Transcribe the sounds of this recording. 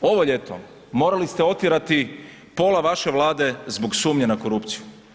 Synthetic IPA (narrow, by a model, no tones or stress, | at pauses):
o̞ʋo̞ʎe̞t̪o̰ | mo̞ːɾalist̪eo̞t̪iɾat̪i | po̞ːlaʋaʃe̞ʋlˠaːd̪e̞zboɡsuːmɲenako̞ɾupt̪siju